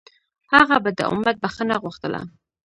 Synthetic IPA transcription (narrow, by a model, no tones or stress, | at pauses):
haɣabad̪ə̰ʔʊ̰mːat̪̚baxanaɣuxt̪əla̰